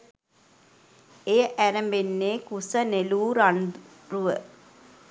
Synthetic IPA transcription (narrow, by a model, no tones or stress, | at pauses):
ejəʔæɾəmbenːeːkusəneluːɾand̪ | ruʋə